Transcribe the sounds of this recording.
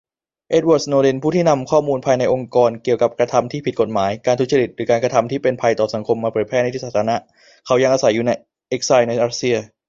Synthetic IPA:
ʔe˦˥t̪̚wɔː˨˩t̪̚snoː˧le˧npʰuː˥˩t̪ʰiː˥˩na˧mkʰɔː˥˩muː˧npʰaː˧jna˧jʔo˧ŋkɔː˧nki˨˩əwka˨˩p̚kɾa˧t̪ʰa˧mt̪ʰiː˥˩pʰi˨˩t̪̚ko˨˩maː˩˦jkaː˧nt̪̚ʰt͡ɕa˧ɾi˨˩t̪̚ɾɯː˩˦kaː˧nka˧t̪ʰa˧mt̪ʰiː˥˩pe˧npʰa˧jt̪ɔː˨˩sa˩˦ŋkʰo˧mːaː˧pʰɤː˨˩j̚pʰɛ˥˩n˧jt̪ʰi˦˥saː˨˩t̪ʰːna˦˥ | kʰa˦wja˧ŋʔaː˧sa˩˦jːuː˨˩na˧j | ʔe˦˥k̚sa˧jna˧jʔaː˧˥si˧ɐ

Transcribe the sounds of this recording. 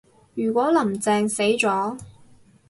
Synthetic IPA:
jyː˨˩kʷwʷɔː˨˥lɐ˨˩mt͡sɛː˧ŋse˨˥jt͡ʃɔː˨˥

